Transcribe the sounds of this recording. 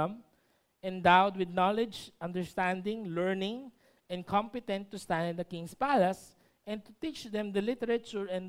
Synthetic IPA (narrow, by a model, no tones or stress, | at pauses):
m | ɛ̃nd̪awd̪̚wɪd̪̚nalɪd͡ʒʔɐ̃nd̪ɛɹst̪ãnd̪ɪ̃ŋlɛɹnɪ̃ŋ | ʔɛ̃nkʰɔ̃mpɪt̪ɛ̃nt̪ːʊst̪ãnd̪ɪ̃nd̪ɐkɪ̃ŋspalɐs | ʔɛ̃nt̪ʊt̪it͡ʃd̪ɛ̃md̪ɐlɪt̪ɛɾɐt͡ʃʊɹɛ̃n